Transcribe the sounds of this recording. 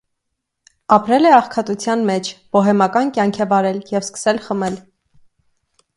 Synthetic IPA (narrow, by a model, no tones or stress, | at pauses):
ɑpɾɛlɛɑχkʰɑt̪ut͡sʰjɑnmɛt͡ʃʰb̥ɔɦɛmɑkɑnkjɑŋkʰɛvɑɾɛljɛvskə̥sɛlχəmɛl